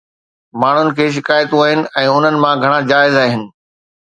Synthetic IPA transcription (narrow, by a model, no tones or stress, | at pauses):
maːɳ̤ʊnɪ̆kʰeːʃ̬ɪkaːjt̪ũaːɦɪnɪ̆ʔɛ̃ːʊn̤ənɪ̆mãɡʱɐɽ̃ad͡ʑaːɪzaːɦɪnɪ̆